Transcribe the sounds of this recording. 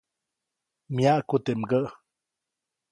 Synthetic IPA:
mjaʔkut̪emɡəʔ

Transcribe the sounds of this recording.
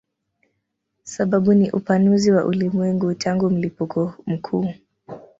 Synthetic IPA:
saɓaɓuniʔupanuziwaʔulimwɛŋɡutʰaŋɡum̩lipukʰɔm̩kʰuː

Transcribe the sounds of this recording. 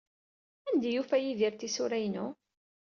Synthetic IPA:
ænd̪æjufæjiðiɾt̪isuɾæjnu

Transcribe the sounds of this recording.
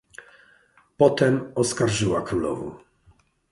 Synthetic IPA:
pɔt̪ɛmɔskaɾʐɘwakɾulɔ̰vɔ̰

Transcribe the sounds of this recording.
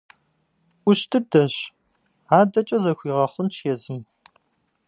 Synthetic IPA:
ʔʷʊɕtʰɨdɐɕ | aːdɐt͡ʃʼɐzɐxʷiːʁɐχʷʊnt͡ʃʰjɛzɨm

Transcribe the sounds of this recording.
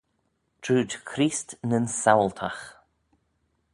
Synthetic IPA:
d̥ʰuːdkʰɾiːstnənsawlt̪ʰax

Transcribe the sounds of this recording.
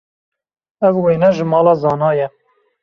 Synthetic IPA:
ɛvweːnɛʒɨmɑːlɑːzɑːnɑːjɛ

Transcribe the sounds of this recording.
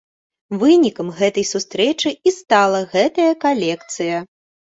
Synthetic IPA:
vɨnʲikɐmɣɛt̪ɐjsust̪ɾɛt͡ʂɨist̪alˠɐɣɛt̪ɐjɐkalʲɛkt̪sɨjɐ

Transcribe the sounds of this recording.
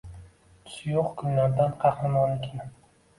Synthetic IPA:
t̪ʰʊ̥sjoqkʰʊnlaɾd̪anqʰɑχnamɒnekʲɪn

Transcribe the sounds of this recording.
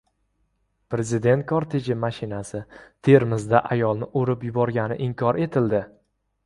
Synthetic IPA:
pɾe̞zɪd̪e̞nt̪̚kʰɒɾt̪ʰed͡ʒɪmaʃɪnasɪt̪ʰe̞ɾmɪzd̪aʔajɒlˠnɪʔoɾɪpjʊbɒɾɡʲanɪʔɪmkʲʰɒɾe̞t̪ʰɪld̪ɪ

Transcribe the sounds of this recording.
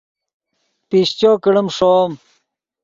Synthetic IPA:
piɕt͡ɕoːkəɽəmʂoːm

